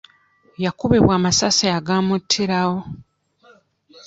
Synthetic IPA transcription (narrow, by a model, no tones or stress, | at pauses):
jakuβeβwaːmasasaaɡaːmutʰːiɾawo